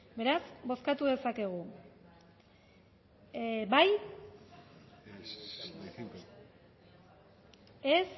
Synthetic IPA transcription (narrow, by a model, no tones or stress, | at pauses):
be̞ɾasbo̞skat̪uðe̞sake̞ɣ̞u | baj | es